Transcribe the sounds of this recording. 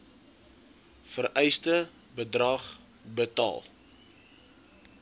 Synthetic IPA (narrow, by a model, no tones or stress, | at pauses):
fərɛjstə | bədrɐχ | bətɑ̰ːlˠ